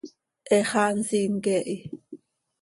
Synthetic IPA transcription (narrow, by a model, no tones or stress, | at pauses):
ʔɛχansiŋkɛʔi